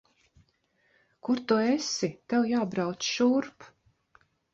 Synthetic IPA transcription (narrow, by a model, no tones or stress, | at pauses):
kuɾt̪uesit̪ɛwjaːbɾawt̪sʃuɾp